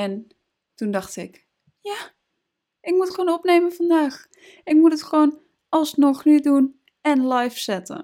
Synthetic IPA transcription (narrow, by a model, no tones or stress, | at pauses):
ɛn | tundaxtɪk | ja | ʔɪkmutxʋoːnɔpnejmənfandaːx | ɪkmutətxəʋoːn | ɔlˠsnɔxnydun | ɛnlajfsɛtə̰n